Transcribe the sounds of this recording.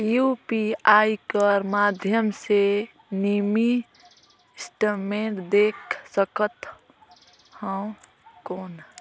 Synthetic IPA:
jupiaikəɾmad̪ʱjəmse | nimi | sʈəmẽʈd̪ekʰsəkət̪ | hə̃w | koːn

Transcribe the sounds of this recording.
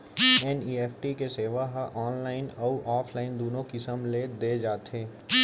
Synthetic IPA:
ɛniːeːfʰʈikeseːʋaɦʔɔːnlaːɪnɔːʔɔːfʰlaːɪnd̪oːnõkɪsəmled̪eːd͡ʒaːt̪ɦeː

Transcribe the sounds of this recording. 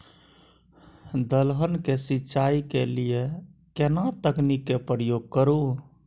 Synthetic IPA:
d̪əlɦənkesitːʃaikeliekenat̪əknikːepɾəjoɡ̚kəɾu

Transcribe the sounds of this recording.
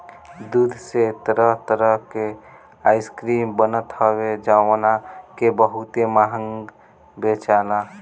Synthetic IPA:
d̪ud̪ʱset̪əɾəɦt̪əɾəɦke | ajskɾimbənət̪həβed͡ʒawnakebəɦut̪emaɦəŋɡ | bet͡ʃana

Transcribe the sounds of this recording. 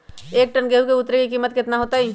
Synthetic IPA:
eːk̚ʈənɡeɦukeʊt̪ɾekikiːmːət̪kɪt̪naɦoːt̪aɦiː

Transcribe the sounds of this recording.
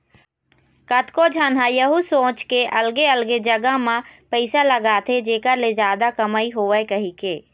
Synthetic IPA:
kət̪ʰkod͡ʒʱənɦãjəɦusõːt͡ʃkeʔəlɡeəlɡed͡ʒəɡamãpəɪsaləɡaːt̪ʰed͡ʒeːkəɾled͡ʒjaːd̪akəmaːiɦoːʋəekəɦikeː

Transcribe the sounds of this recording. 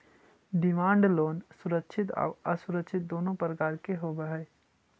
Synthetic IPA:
ɖɪmãːɳɖloːnsʊɾəkʃʰɪt̪a̰ʋəsʊɾəkʃʰɪt̪̚d̪oːnopɾəkaːɾkeɦobəɦɛ

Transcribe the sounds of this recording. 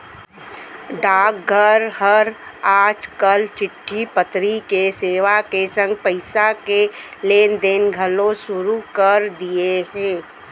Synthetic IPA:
ɖaːk̚ɡʱəɾhəɾaːd͡ʒkəlt͡ʃɪʈʰːipət̪ɾikeseːʋakesə̃ŋɡ̚pəɪsakeleːnd̪eːnɡʱəlõsʊɾukəɾd̪ieɦɛ̃ː

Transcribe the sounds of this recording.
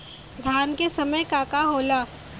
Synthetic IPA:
d̪ʱjaːnkesɐməjkaːkaɦoːlaː

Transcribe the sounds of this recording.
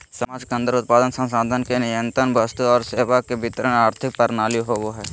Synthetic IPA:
səmaːd͡ʒkə̃nd̪əɾʊt̪̚paːd̪ənsə̃nsaːd̪ʱənkenɪjə̃nt̪ɾənbəst̪uɔːɾseːʋakebʱɪt̪əɾənaːɾt̪ʰɪk̚pəɾnaːljoɦoʋoɦɛː

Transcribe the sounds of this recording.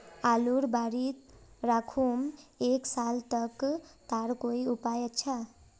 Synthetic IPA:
aluɾbaɾit̪ɾakʰumeksalt̪ʌkt̪aɾkojupajət͡ʃʰa

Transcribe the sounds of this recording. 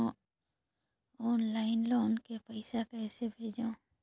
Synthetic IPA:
ɔːnlaːɪnloːnkepəɪsakɛːsebʱeːd͡ʒõː

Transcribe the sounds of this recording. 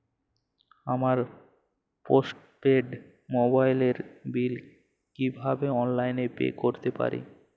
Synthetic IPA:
amaɾ | posʈ | peɖ | mobajleɾbil | kibʱabeɔnlajnepḛkoɾt̪epa̰ɾʔḭ

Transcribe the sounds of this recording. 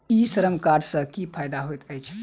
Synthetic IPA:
isəɾəmkaɾsə̃kipʰajd̪aɦojt̪əjt͡ʃʰ

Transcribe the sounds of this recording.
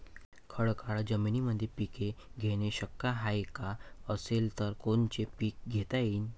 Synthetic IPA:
kʰəɭkaɭd͡ʑəminiməd̪ʱːjepikeɡʱeɽ̃eɕəkːaɦajkaəselt̪əɾkont͡ɕepiːk̚ɡʱet̪ajiːn

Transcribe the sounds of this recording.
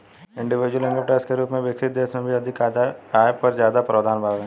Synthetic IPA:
ɪ̃ɳɖɪʋɪd͡ʒwəlɪ̃ŋɡʋepɾaːɪskeɾuːpmẽʋɪksɪt̪̚d̪eːsmẽbʱiɐd̪ʱɪkaaːjpɐɾzjaːd̪apɾɐʋd̪ʱaːnbʱaːʋɦɛ̃ː

